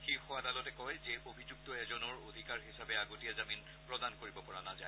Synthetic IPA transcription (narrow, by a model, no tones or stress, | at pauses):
xixɔwadalɔtɛkɔjzɛobʱizuk̚tɔɛzɔnɔɹodʱikaɹɦisabɛaɡotijazamin | pɹɔdankoɹibɔpɔɹanazae